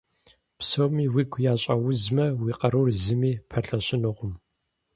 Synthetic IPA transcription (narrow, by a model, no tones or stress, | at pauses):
psowmiːwiːɡʷʰʊjaːɕʼɐwʊzmɐwiːqɐɾurzɨmiːpʰɐɬɐɕɪnɨʁʷʊm